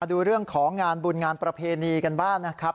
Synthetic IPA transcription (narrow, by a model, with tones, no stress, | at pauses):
duː˧ɾɯ˥˩əŋkʰɔː˩˦ŋːaː˧nbuː˧nŋaː˧npɾa˧pʰeː˧niː˧ka˧nbaː˥˩ŋna˦˥kʰa˦˥p̚